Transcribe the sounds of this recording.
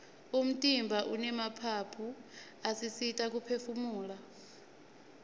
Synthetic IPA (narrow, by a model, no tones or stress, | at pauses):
um̩tʼimbʱaʔunɛmapʰapʰu | asisitʼak̬ʼupʰefumuːla